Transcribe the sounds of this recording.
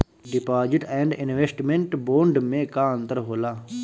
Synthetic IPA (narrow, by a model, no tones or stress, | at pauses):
ɖɪpaːd͡ʒɪʈɛ̃ːɳɖɪnʋeːsʈmẽɳʈboːɳɖmẽːkaːə̃nt̪əɾɦoːlaː